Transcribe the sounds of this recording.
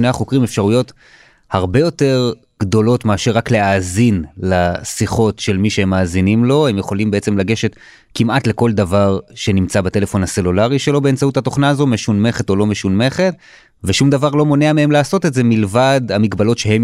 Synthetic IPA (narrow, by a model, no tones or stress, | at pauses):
neaχo̞kʁimefʃaʁujo̞t | haʁbe̞jo̞te̞ʁ | ɡ̥d̪o̞lo̞tmeaʃeʁːakleaːzinlasiχo̞tʃe̞lmiʃehemːaːzinimlo̞he̞mjeχo̞limbeet͡semlaɡe̞ʃe̞t̪ | kimʔatle̞ko̞ld̪avaʁʃe̞nimt͡sabat̪e̞le̞fo̞nhase̞lulaʁiʃe̞lo̞be̞ent͡sauthat̪o̞χnaːzo̞me̞ʃunme̞χe̞t̪o̞lo̞me̞ʃunme̞χe̞t̚ | veʃumd̪avaʁlo̞mo̞neamee̞mlaːso̞te̞tzemilvad̪hamikbalo̞tʃe̞hem